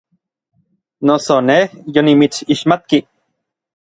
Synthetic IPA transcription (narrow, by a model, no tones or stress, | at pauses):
nosonehjonimit͡siʃmat̪̚ki